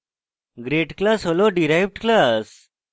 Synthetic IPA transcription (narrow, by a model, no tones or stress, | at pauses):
ɡɾeʈklasɦoloɖiɾajʋʈklas